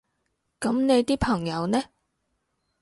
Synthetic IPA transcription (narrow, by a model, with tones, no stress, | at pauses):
kɐ˨˥mne˨˧jt̪iː˥pʰɐ˨˩ŋjɐ˨˧wnɛː˥